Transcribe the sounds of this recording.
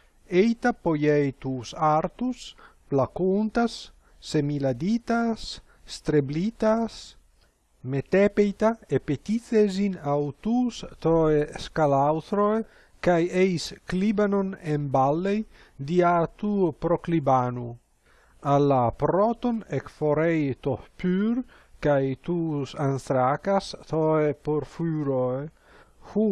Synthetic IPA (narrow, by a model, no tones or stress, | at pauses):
ejt̪apojejt̪usaɾt̪us | plakunt̪asː | emilad̪it̪asː | t̪ɾeblit̪as | met̪epejt̪aepet̪it͡sezinawt̪uːst̪oeskalawt̪ɾoe | kajejsklibanonembalːej | d̪iat̪upɾoklibanu | alːapɾot̪onekfoɾejt̪opyɾ | kajt̪usanst̪ɾakast̪oepoɾfyɾoe | hu